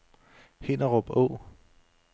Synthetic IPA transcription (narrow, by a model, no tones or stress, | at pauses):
hen̰ɐʁɔ̽b̥ɔ̰ʊ